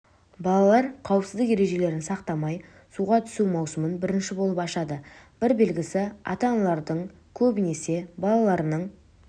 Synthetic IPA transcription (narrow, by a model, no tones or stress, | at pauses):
bɑlˠɑlˠɑɾqʰɑwəpsɪzd̪ɪkje̞ɾe̞ʒe̞le̞ɾɪnsɑqt̪ɑmɑj | suʁɑt̪ʰʏ̥sumɑwsəmənbɪɾɪnʃɪbo̞lˠəpɑʃɑd̪əb̥ɪɾbe̞lɡʲɪsɪɑ̰t̪ɑnɑlˠɑɾd̪əɴ | kʲʰɵbɪne̞se̞bɑlˠɑlˠɑɾnəɴ